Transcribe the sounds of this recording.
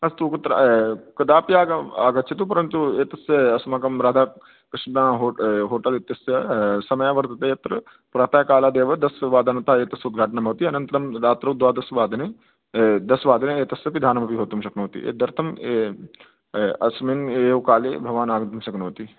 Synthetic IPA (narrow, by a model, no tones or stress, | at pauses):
ɐst̪uːkɐt̪ːɾa̰kɐd̪aːpiaːɡɐaːɡɐt͡ʃʰit̪upɐɾɐnt̪ueːt̪ɐsjɐɐsmakɐmɾaːd̪ʱaː | kɐʃãːɦoɦoːʈɐlit̪ːɐsjɐsɐmɐjaʋɐɾt̪ɐt̪ɐjɐt̪ɾɐ | pɾaːt̪aːjkaːlaːd̪eːʋɐd̪ɐsʋaːd̪ɐnɐt̪aːeːt̪ɐsud̪̚ɡʱaːʈɐnɐmɐːt̪iɐnɐ̃nt̪ɐɾɐmɾaːt̪ɾɐk̚d̪ʋaːd̪ɐsʋaːd̪ɐne | d̪ɐsʋaːd̪ɐneeːt̪ɐsjɐpid̪ʱaːnɐmɐpiɦoːt̪ɐmʃɐknoːt̪ḭʔḛːd̪ɐɾt̪ʰɐme | ɐsmineːʋkaːleːbʱɐʋaːnaːɡɐt̪ɐmʃɐknoːt̪i